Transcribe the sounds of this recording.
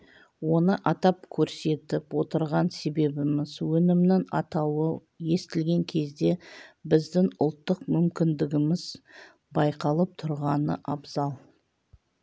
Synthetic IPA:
wo̞nəʔɑt̪ɑp̚kʲʰɵɾse̞t̪ɪpwo̞t̪əɾʁɑnse̞be̞bɪmɪzwɵnɪmnɪŋɑ̰t̪ɑwə | je̞st̪ɪlɡʲe̞ŋkʲʰe̞zd̪e̞bɪzd̪ɪŋʊlˠt̪ːəqmʏmkʲɪnd̪ɪɡʲɪmɪz̥ | bɑjqɑlˠəp̚t̪ʰʊɾʁɑnə̰ʔɑbzɑlˠ

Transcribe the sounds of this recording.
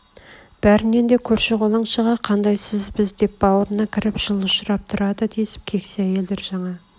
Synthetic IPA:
b̥æɾɪne̞nd̪e̞kʲʰɵɾʃeʁolˠɑɴʃəʁɑqʰɑnd̪ɑjsɪzbɪzd̪e̞p̚bɑwəɾənɑkʲʰɪɾɪpʒ̥əlˠʊʃɾɑp̚t̪ʰʊɾɑd̪əd̪esɪ̥p̚kʲʰe̞kʲseæje̞ld̪eɾʒɑɴɑ

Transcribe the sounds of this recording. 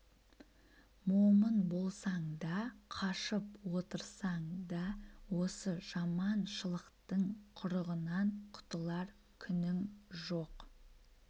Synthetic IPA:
momənbo̞lˠsɑɴd̪ɑqʰɑʃəpwo̞t̪əɾsɑɴd̪ɑwo̞səʒ̥ɑmɑnʃəlˠəqt̪əɴqʰʊɾəʁənɑɴqʰʊ̥t̪əlˠɑɾ | kʲʰʏnɪmʒoq

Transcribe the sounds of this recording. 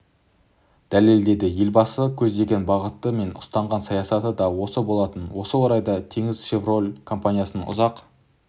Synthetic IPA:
d̪̥æle̞ld̪e̞d̪ɪje̞lbɑsəkʲʰɵzd̪e̞ɡʲe̞nbɑʁət̪ːəme̞nʊst̪ɑɴʁɑnsɑjɑsɑt̪əd̪ɑwo̞səbo̞lˠɑt̪ənwo̞səwoɾɑjd̪ɑt̪ʰe̞ŋɪzʃevro̞lʲkʰo̞mpanʲijasənʊ̰zɑq

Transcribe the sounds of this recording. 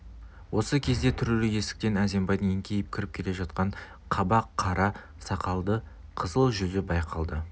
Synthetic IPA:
wʔo̞səkʲʰe̞zd̪e̞t̪ʰʏɾelɪje̞sɪ̥k̚t̪e̞næze̞mbɑjd̪əŋeŋkʲʰe̞jɪp̚kʲʰɪɾɪp̚kʲʰe̞le̞ʒɑt̪̚qɑɴ | qʰɑbɑqʰːɑɾɑ | sɑqɑlˠd̪ə | qʰəzəlˠʒʏzɪbɑjqʰɑlˠd̪ə

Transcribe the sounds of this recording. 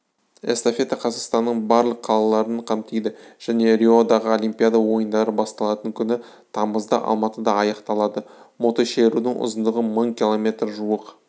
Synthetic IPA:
est̪ofʲe̞t̪ɑqʰɑzɑqst̪ɑnːəɴbɑɾlˠəqʰːɑlˠɑlˠɑɾənqʰɑmt̪ejd̪ɪʒ̥æne̞ɾʲio̞d̪ɑʁəo̞lijmpʲijad̪ɑwo̞jənd̪ɑɾəbɑst̪ɑlˠɑt̪əŋkʲʰʏnɪ | t̪ʰɑməzd̪ə̰ʔɑ̰lˠmɑt̪əd̪ɑɑjɑqt̪ɑlˠɑd̪ə | mo̞t̪oʃeɾud̪ɪŋʔʊ̰zənd̪əʁəməɴkʲilˠo̞mʲe̞t̪rʒuəq

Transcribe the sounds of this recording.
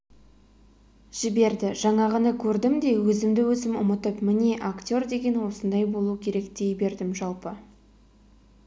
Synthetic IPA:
ʒ̥ɪbe̞ɾd̪ɪʒɑɴɑʁənɑkʲʰɵɾd̪ɪmd̪e̞wɵzɪmd̪ɪwɵzɪmʊmət̪əpmɪneʔakt̪ʲo̞rd̪e̞ɡʲe̞nwo̞sənd̪ɑjbo̞lˠukʲʰe̞ɾe̞kd̪e̞jbe̞ɾd̪ɪmʒɑlˠpə

